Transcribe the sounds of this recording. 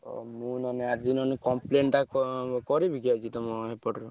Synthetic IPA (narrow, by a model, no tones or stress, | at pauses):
ɔ̰mũnɔneaɾd͡ʒinɔnikɔmpleɳʈakɔkɔɾibʱikiad͡ʒʰit̪ɔmɔɦepɔʈɾɔ